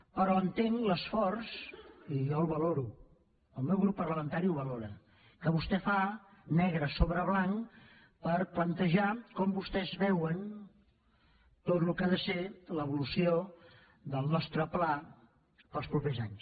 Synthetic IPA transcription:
pəɾɔənt̪eŋləsfɔrsijɔuβəloɾu | əlˠmɛwɣɾupːərləmənt̪aɾiuβəloɾə | kəβust̪ɛfanɛɣ̞ɾəsoβɾəβ̞laŋ | pəɾplənt̪əʒakɔmbust̪ɛzβɛwən | t̪ot̪lukaðəseləβulusio | ðəlˠnɔst̪ɾəpla | pəlˠspɾupezaɲs

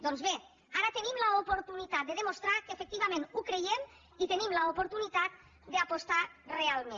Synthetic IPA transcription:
d̪o̞nzβe | aɾat̪e̞nimlaopo̞ɾt̪unit̪at̪̚d̪e̞ð̞e̞mo̞st̪ɾakefekt̪iβ̞ame̞nukɾe̞jem | it̪e̞nimlaopo̞ɾt̪unit̪at̪̚ | deapo̞st̪are̞almen

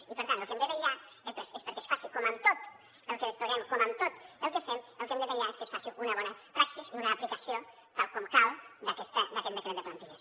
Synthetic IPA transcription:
ipəɾt̪anəlˠkẽmnd̪eβeʎa | epesespəɾkesfasikoməmt̪ot̪ | əlˠkeəspəɣɛmkoməmt̪ot̪əlˠkefeməlˠkemd̪eβeʎaeskəsfasuʔunɐβɔnɐpɾaksisunaːplikasio | t̪alˠkɔmkawd̪akɛst̪əd̪akɛt̪d̪ekɾend̪eplant̪iʎes

